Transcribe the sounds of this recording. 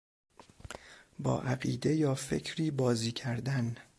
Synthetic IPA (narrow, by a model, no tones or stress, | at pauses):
bɒ̰ːʔæɢiːd̪e̞jɒːfe̞̰cʰɾiːbɒːziːcʰæɾd̪æn